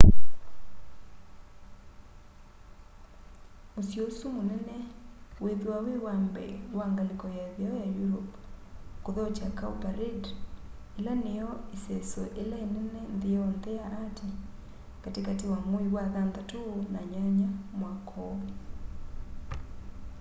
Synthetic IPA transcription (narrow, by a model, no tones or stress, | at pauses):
mosjosumonɛnɛweðewawewambɛ̰ɾwaŋɡalekɔjaðjaɔjajuɾɔp | koðɔt͡ʃakaupaɾed | elanejɔesɛsɔʔelaenɛnɛnðeɔnðɛjaʔːte | katekatewamoiɣwaðandatonaɲaɲamwakʰɔβɛ